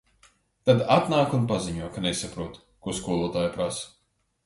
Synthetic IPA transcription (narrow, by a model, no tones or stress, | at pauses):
t̪ad̪at̪naːkunpaziɲuɔkanesapɾuɔt̪ | kuɔskuɔlˠuɔt̪aːjapɾas